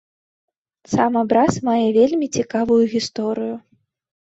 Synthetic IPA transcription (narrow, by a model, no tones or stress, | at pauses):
samabɾasmajɛvʲelʲmʲit͡sʲikavujuɣʲist̪ɔɾɨju